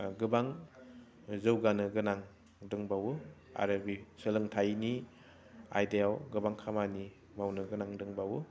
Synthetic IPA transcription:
ɡɯbaŋ | zɯwɡanɯɡɯnaŋ | dɯŋbawu | a̰ɾɯbisɯlɯŋtʰajni | a̰jdeawɡɯbaŋkʰamani | mawnɯɡɯnaŋdɯŋbawu

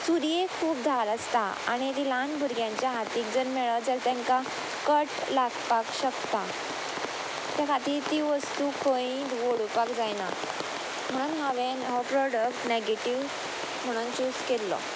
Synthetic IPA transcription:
suɾjekʰuːp̚d̪ʱaɾəst̪aa̰ɽ̃it̪ilanbʱuɾɡjãɲt͡ɕjaɦat̪iːk̚d͡zəɾmeɭad͡zəɾt̪ɛ̃ŋka | kəʈlaɡpakɕəkt̪a | t̪jakʰat̪iːɾt̪iʋəst̪uːkʰõĩːd̪ʋoɽupakd͡zajna | m̤əɽ̃uːnɦaʋenɦɔpɾɔɽəkʈneɡeʈiʋ | m̤əɽ̃uːnt͡ɕuskelːɔ̰

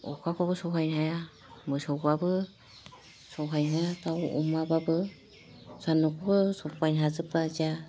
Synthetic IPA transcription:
ɔ̰kʰakʰɔbɯsɔɦʰajnɦaja | mɯsɔwɡabɯ | sɔwɦajnɦajatawɔ̰mababɯ | sanɯkʰɔbɯsɔpajnɦazɯpaza

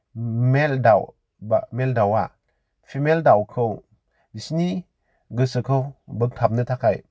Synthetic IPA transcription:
meldaw | bameldawa | pʰimeldawkʰɯw | isni | ɡɯsɯkʰɯwbɯk̚tʰap̚nɯtʰakaj

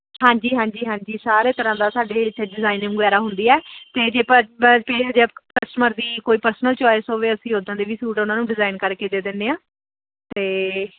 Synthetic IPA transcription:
ɦãːɲd͡ʒiːɦãːɲd͡ʒiːɦãːɲd͡ʒiːsaːɾeːt̪əɾãːd̪aːsaːɖeːɖɪzaːinɪ̃ŋɡɛːɾaːɦʊnd̪iːɛːt̪eːd͡ʒeːpəpeːd͡ʒekəsʈməɾd̪iːkoːiːpəɾsnəlt͡ʃɔːesɦoːʋeːəsĩːɦoːd̪ãːd̪eːʋiːsuːʈʊnãːnũːɖɪzaːinkəɾkeːd̪eːd̪ɪnːeːãː | t̪eː

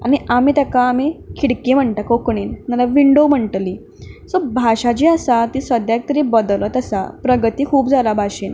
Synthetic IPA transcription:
a̰ñiamiːt̪akaːmikʰiɽkim̤əɳt̪akokɳiːnmalaʋiɳɖom̤əɳʈliː | sobʱaɕat͡ɕiəsat̪iːsʋəd̪jak̚t̪əɾibəd̪ələt̪əsa̰pɾəɡt̪iːkʰuːpd͡zʱalabʱaɕiːn

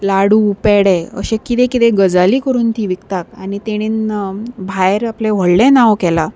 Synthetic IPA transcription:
laɽuːpɛɽɛə̰ɕẽkit̪ɛ̃kit̪ɛ̃ɡəd͡zaliːkəɾuːnt̪iːʋikt̪akanit̪eɽ̃iːnbʱajɾaplɛ̃ʋ̤əɽlɛ̃naʋkɛla

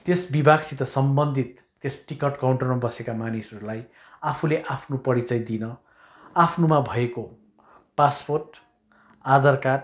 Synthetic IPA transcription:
t̪esbibʱaɡsit̪ʌsʌmbʌnd̪ʱit̪ːesʈikʌʈkawɳʈʌrmabʌsekamanisʌɾulaj | apʰuleʔapʰnopʌɽit͡sʌjd̪inʌ | apʰnumabʱʌeko | pasporʈ | ad̪ʌrkaʈ

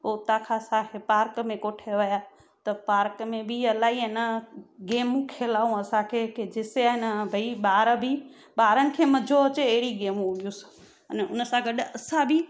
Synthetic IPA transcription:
oːt̪ãkʰãsãkʰepaːɾkmẽkoːʈʰeʋɐja | t̪ɐpaːɾkmẽbɪɐlaːɦiɪnəɡeːmũkʰeːlaːũɐsãkʰeked͡ʑɪseaːɦɪnbʱɐiɓaːɾbʱi | ɓaːɾənɪ̆kʰeːmɐd͡ʑʱoɐt͡ɕeɐɦɪɽiɡeːmũʊbijus | ənʊnəsãɡɐɗɐsãbʱɪ

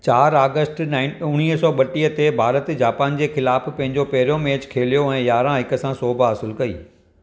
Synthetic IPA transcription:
t͡ɕaːɾaːɡəsʈnaɪʊɽ̃iːɦsɔːɓɐʈiət̪ebʱaːɾət̪d͡ʑaːpaːnd͡ʑeːxɪlaːfpɐ̃ɦɪ̃ɲd͡ʑopɐɦɪɾijomeːt͡ɕkʰeːlijoɛ̃ːjaːɾãɦɪkəsãsoːbʱəɦɐsɪlkɐḭː

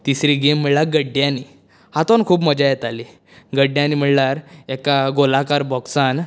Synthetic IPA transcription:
t̪isɾiːɡem̤ːiɭlaɾɡəɖːjãni | hat̪onkʰuːpməd͡ʑajɛt̪ali | ɡəɖjãnim̤iɭlaɾɛkaɡolakaɾbɔksan

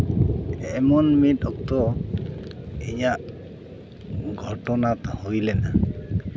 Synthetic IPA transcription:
ɛmɔnmit̪̚ˀɔk̚t̪ɔ | ḭɲaʔ | ɡʱɔʈɔnat̪ɔhujlɛna

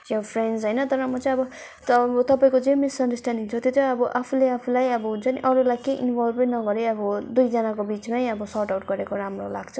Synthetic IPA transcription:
jopʰrensɦʌjnʌt̪ʌɾʌmʌt͡sʌĩʌbʌ | bʌt̪ʌpaĩkod͡zemisʌnɖʌsʈanɖiŋt͡sʰʌt̪jot̪ʌʌbʌʔapʰuleapʰulajʌbʌt͡sʌniʔʌɾulajkejʔḭnbʱʌlbʌjnʌɡʌɾiʌbʌd̪ujd͡zʌnakobit͡smajʌbʌsʌɾʈawʈɡʌɾekoɾamrolaɡt͡sʰu

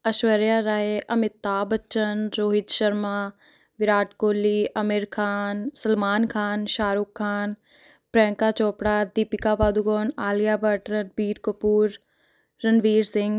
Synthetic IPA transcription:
ɐʃʋəɾjaːɾaːɦeʔɐmɪt̪ːaːbət͡ʃːʃənɾoːɦɪt̪ʃəɾmaː | ʋɪɾaːʈkoːliʔɐmɪɾkʰaːnsɐlmaːnkʰaːnʃaːɾukʰːaːn | pɾɛ̃ːŋkaːt͡ʃoːpɽaːd̪ipɪkaːbaːd̪uɡoːnaːlijaːbəʈɾəɾbiːɾkopuːɾː | ənʋiːɾsɪ̃ŋɡ

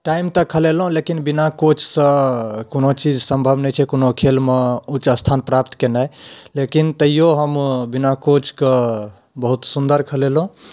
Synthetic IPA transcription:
ʈaimt̪əkʰəlelɦũlekinbinakot͡ʃʰsə̃konot͡ʃid͡ʒsəmbʱəbnət͡ʃʰɛkonokʰelmeut͡ʃəst̪ʰanpɾapt̪kenajlekint̪əijoɦəmbinakot͡ʃʰkə | bəɦut̪sund̪əɾkʰəlelɦũ

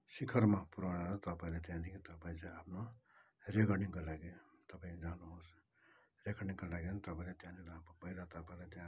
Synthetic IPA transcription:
sikʰʌrmapuɾanalat̪ʌpaĩlat̪jãd̪ikʰĩt̪ʌpaĩt͡sãapʰno | rekʌrɽniŋkolaɡit̪ʌpaĩd͡zanuɦos | rekʌrniŋkolaɡianit̪ʌpaĩlet̪jãnilaapbʌjɾat̪ʌpaĩlat̪jã

